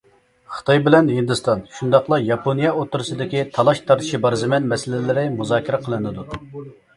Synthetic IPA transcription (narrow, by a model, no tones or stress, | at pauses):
χə̥t̪ʰɑjbɪlɛnhɨnd̪ɨst̪ɑnʃund̪ɑqlˠɑjɑpʰonijɑot̪ːuɾɨsɨd̪ɪkʲit̪ʰɑlˠɑʃt̪ʰɑɾt̪ʰɨ̥ʃibɑɾzɨmɛnmɛsɪlɪlɪɾɪmuzɑːkʲɪɾɛqʰəlˠɨnɨd̪u